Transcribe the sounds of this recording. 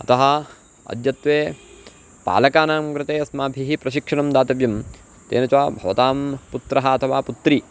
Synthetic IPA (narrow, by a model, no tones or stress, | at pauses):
ɐt̪ɐɦɐ | ɐ̰d̪jɐt̪ʋeː | pa̰ːlɐkaːnaːmkɾɪt̪eːɐsmaːbʱiɦipɾɐʃikʂɐɳɐmd̪aːt̪ɐʋjɐm | t̪ḛːnɐt͡ʃaːbʱɐʋɐt̪aːmput̪ɾɐɦɐːt̪ʰɐʋaːput̪ɾi